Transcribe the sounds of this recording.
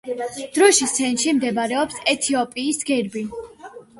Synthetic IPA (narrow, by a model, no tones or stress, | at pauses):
d̪̥ɾɔʃisɛnʃimd̪ɛbaɾɛɔpsɛt̪ʰiɔpʼiːsɡɛɾbi